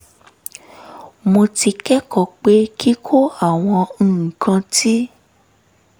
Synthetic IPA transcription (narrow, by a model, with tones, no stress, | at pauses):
mo˧ti˧kɛ˦kɔ˨k͡pe˦kʰi˦kʰo˦a˦˨w̃ɔ̃˧ñ̩ː˨kã˧ti˦